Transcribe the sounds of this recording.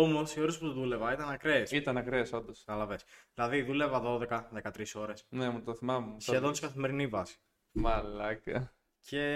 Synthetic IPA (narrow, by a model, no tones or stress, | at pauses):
o̞mo̞sio̞ɾe̞sput̪oðule̞vɐit̪ɐnɐkɾesit̪ɐnɐkɾeso̞nd̪osɐɐlɐve̞sðilɐðiðulevɐðo̞ðe̞kɐðe̞kɐt̪ɾiso̞ɾe̞snemut̪oθimɐmemsçeðo̞nt̪si̥kɐθime̞ɾinivɐsi̥ | mɐlɐkɐ | cʰe̞